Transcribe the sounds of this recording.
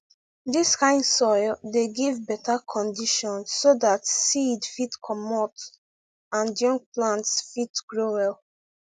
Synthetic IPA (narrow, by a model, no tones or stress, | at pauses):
diskãɪ̃ndsɔɪdeɡivbɛtakʰɔ̃ndiʃɔ̃nsːodatsidfitkʰɔmɔt | ãndjɔ̃ŋk̚plãntsfitɡ̥ɹowɛl